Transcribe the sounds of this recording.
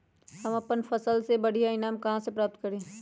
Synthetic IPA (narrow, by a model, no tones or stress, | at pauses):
hɐmɐpənfɐsəlsebɐɽ̤ijaɪnaːmkɐɦãsepɾaːp̚t̪̚kəɾẽː